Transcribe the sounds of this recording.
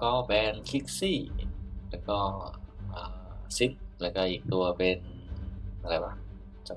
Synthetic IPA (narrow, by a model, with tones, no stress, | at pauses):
kɔː˥˩bɛː˧nkʰi˦˥k̚siː˥˩lɛː˧˩kɔː˧˥˩ʔaː˨˩si˦˥t̪̚lɛ˧˩kɔː˧˩ʔiː˨˩k̚t̪u˧ɐpe˧n | ʔa˧˩la˨˩jba˧˩ | t͡ɕa˧˩